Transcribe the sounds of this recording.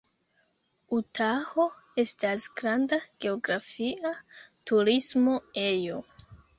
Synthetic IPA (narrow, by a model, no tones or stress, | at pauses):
utʰaho̞ | e̞stasɡ̥ɾandaɡ̥e̞o̞ɡɾafiʔatuɾismo̞e̞jo̞